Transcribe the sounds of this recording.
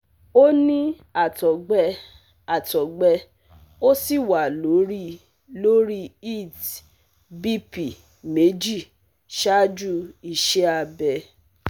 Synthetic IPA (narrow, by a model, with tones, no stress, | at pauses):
o˦nĩ˦ | a˨tɔ˨ɡ͡bɛ˧ | a˨tɔ˨ɡ͡bɛ˧ | o˦si˦˨wa˨lo˨˦ɾi˦ | lo˦ɾi˦i˦˨t | bi˦pi˨ | me˨˦d͡ʒi˦˨ | ʃa˦d͡ʒu˦i˧ʃe˦a˧bɛ˧